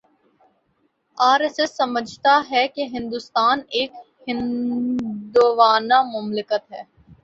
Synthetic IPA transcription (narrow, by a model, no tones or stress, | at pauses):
aːɾesesːɐməd͡ʒʱt̪aɦɛkeɦɪ̃nd̪ust̪aːneːk | hɪ̃n | d̪ʊʋaːnamʊmlɪkət̪ɦɛː